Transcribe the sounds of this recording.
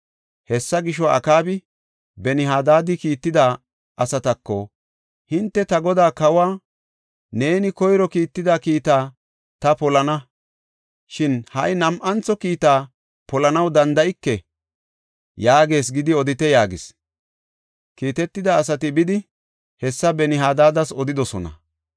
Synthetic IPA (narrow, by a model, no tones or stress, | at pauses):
hɛsːɐɡɪʃ̬ɔɐ̰kaːbɪ | bɛnɪhaːd̪aːd̪ɪkiːt̪ːɪd̪aː | ʔɐsɐt̪ɐkːɔ | hɪnt̪ːɛt̪ɐɡɔd̪aːkɐwaː | ne̞ːnɪkɔjɾɔkiːt̪ːɪd̪akiːt̪aː | t̪ɐpɔlɐnɐ | ʃɪnhɐjnɐmʔɐnt͡sɔkiːt̪aː | pɔlɐnɐwd̪ɐnd̪ɐʔɪkːɛ | jaːɡe̞ːs̬ɡɪd̪ɪɔd̪ɪt̪ɛjaːɡɪs | kiːt̪ɛt̪ːɪd̪ɐːsɐt̪ɪbɪd̪ɪ | hɛsːɐbɛnɪɦaːd̪aːd̪ɐsɔd̪ɪd̪ɔsɔnɐ̰